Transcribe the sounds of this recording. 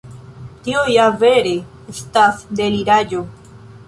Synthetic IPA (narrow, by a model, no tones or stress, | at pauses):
t̪iojaveɾe | est̪asd̪eliɾaɟo